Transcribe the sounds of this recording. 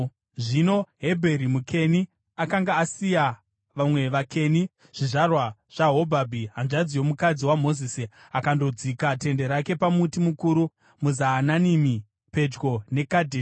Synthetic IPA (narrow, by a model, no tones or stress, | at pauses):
ʐino̞ɦe̞bʱeɾimukʰe̞ni | akaŋɡaːsija | ʋamwe̞ʋakʰe̞ni | ʐ̥iʐarwaʐ̥aɦo̞bʱabʱiɦanʐad͡zijo̞mukad͡ziwamo̞ziːsi | akando̞d͡zikate̞nde̞ɾake̞pamutimukuːɾu | muzaːnanimi | pe̞d͡ʒɡo̞ne̞kadʱe